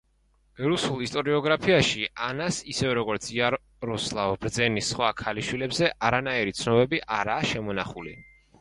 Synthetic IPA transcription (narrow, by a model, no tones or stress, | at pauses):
ɾusulˠist̪ʼɔɾiɔɡɾapʰiaʃianasisɛvɛɾɔɡɔɾt̪sʰia | ɾɔslˠavbɾd̪zɛnisχwakʰaliʃwilɛbzɛʔaɾanaiɾit̪sʰnɔbɛbiʔaɾaːʃɛmɔnaχulḭ